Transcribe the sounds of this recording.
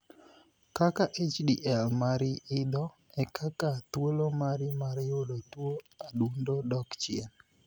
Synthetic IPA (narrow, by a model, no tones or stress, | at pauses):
kakaʔet͡ʃdiʔɛlmaɾɪɪd̪ɔ | ɛkʰakat̪wolomaɾɪmaɾjodotwo | adundodɔkt͡ʃɪen